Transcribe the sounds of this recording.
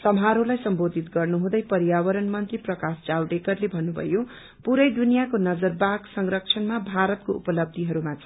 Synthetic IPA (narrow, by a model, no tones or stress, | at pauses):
sʌmɦaɾolajsʌmbod̪ʱit̪ɡʌrnuɦũd̪ʌjpʌɾjawʌɾʌnmʌnt̪riprʌkasd͡zawʈekʌrlebʱʌnːubʱʌ̰jo | puɾʌjd̪unijakonʌd͡zʌrbaɡsʌŋrʌk̚t͡sʰʌnmabʱaɾʌt̪̚koʔṵpʌlʌb̚d̪ʱiɦʌɾumat͡sʰ